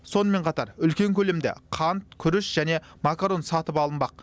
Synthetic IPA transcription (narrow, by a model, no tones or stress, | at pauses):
so̞nəme̞ɴqʰɑt̪ɑɾʏlkʲe̞ŋkʲʰɵle̞md̪ḛqʰɑnt̪̚kʲʰʏɾɪʃʒ̥æne̞makaɾo̞nsɑt̪əpɑlˠənbɑq̚